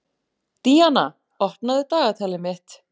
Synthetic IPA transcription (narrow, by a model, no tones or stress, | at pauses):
t̪iana | ɔhpnaðɪt̪aːɣat̪ʰaːlɪmɪht̪